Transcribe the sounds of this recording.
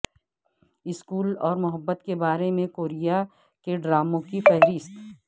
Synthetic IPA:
ɪskuːlɔːɾmʊɦəbːət̪kebaːɾemẽkoːɾija | keɖɾaːmõkifɛɦɾɪst̪

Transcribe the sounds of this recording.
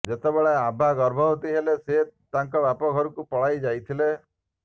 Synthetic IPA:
d͡ʒet̪ebeɭeabʱaɡɔɾbʱɔɦt̪iɦeleset̪ãŋkɔbapɔɡʱɔɾukupɔɭ̤ajd͡ʒajt̪ʰile

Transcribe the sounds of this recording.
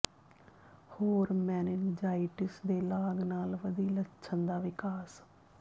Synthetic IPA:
hoːɾmɛːnɪnd͡ʒaːiɪʈɪsd̪eːlaːɡnaːlʋəd̪iːlətːʃʰənd̪aːʋɪkaːs

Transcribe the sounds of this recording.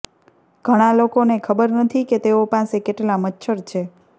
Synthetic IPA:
ɡ̥ʱəɽ̃alokonekʰəbəɾnət̪ʰiket̪eopãsekeʈlamətːʃʰəɾt͡ʃʰe

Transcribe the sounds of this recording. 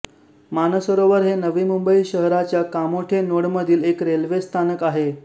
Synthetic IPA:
manəsʋəɾoʋəɾɦenəʋiːmumbəiɕəɦɾat͡ɕjakamoʈʰenoɽməd̪ʱiːlekɾelʋest̪ʰanəkaɦe

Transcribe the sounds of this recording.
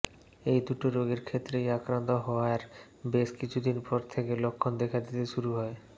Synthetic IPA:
ejd̪uʈoɾoɡeɾkʰet̪ːɾejakɾant̪oɦɔoaɾ | beʃkit͡ɕʰud̪inpɔɾt̪ʰekelokʰːond̪ekʰad̪it̪eʃuɾuɦɔe

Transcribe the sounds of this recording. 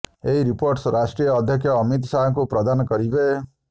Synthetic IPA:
eɦiɾipoɾʈsɾasʈɾijɔːd̪ʱjɔkʰjɔːmit̪̬saɦɔŋkupɾɔd̪anɔkɔɾibe

